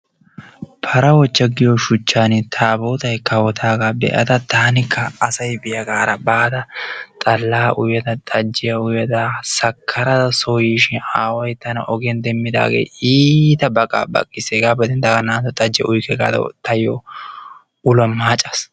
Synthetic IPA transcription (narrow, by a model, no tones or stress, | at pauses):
pʰɐɾɐwɔt͡ʃːɐɡɪjɔʃʊt͡ʃːaːnɪt̪ʰaːboːt̪ɐjkɐwɔt̪ʰaːɡaːbɛ̰ʔɐ̰t̪ɐt̪ʰaːnɪkʰːɐːsɐjbɪjɐɡaːɾɐbaːd̪ɐt̪ʼɐlːaːʔʊjɐd̪ɐt̪ʼɐd͡ʒːɪjɐʊjɐd̪ɐsɐkʰːɐɾɐd̪ɐsojiːʃɪnaːwɔjt̪ɐnɐ̰ʔɔɡɛnd̪ɛmːɪd̪a̰ːɡḛːʔiːt̪ɐbɐkʼa̰ːbɐ̰kʼːɪsɛɡaːbɛd̪ɪnd̪ɐɡɐnaːt̪ɔt̪ʼɐd͡ʒːɛʔʊjkːɛɡa̰ːd̪ɐ̰t̪ɐjɔ̰ | ʊlɐmaːt͡ʃʼːɐs